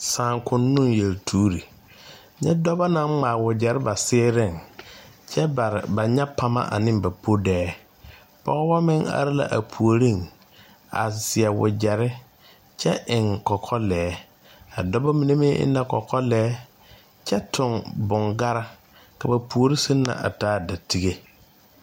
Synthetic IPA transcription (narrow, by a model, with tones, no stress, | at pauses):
sãː˨ŋkʰʊ̃˦nːʊ̃˦njɛ˨ltʰuː˦ɾi˨ | ɲɛ˦dɔ˦ba˦nã˨˦ŋ͡maː˨wʊ˨d͡ʑɛ˨ɾɪ˦ba˨sɪː˦ɾɪ̃˦˨ŋ | t͡ʃʰɛ˦ba˨ɾba˨ɲɛ˦pʰa˦ma̰˦ʔa̰˨nɪ̃˦mba˨pʰo˦dɛː˦ | pɔ̰˦ɣɔ˦wɔ˦mɪ̃˦ŋa̰˨ɾɪ˦la̰˨ʔa˨pʰu˨o˨ɾĩ˦˨n | a̰˨sɪ˨ɛ˨wʊ̰˨d͡ʒɛ˨ɾɪ˦ | t͡ʃɛ˦ʔɪ˨ŋkɔ˨kʰɔ˦lɛː˨˦ | a̰˨dɔ˦ba˦mi˨ne˦mɪ˦ʔɪ̰˦nːa˦kɔ˨kʰɔ˦lɛː˦ | t͡ʃɛ˦tʰʊ˨ŋbʊ˨ŋɡa˦ɾa˦ | ka˨ba˨pʰu˨o˨ɾi˦si˦nːa̰˨ʔa̰˨taː˦da˨tʰi˦ɡe˦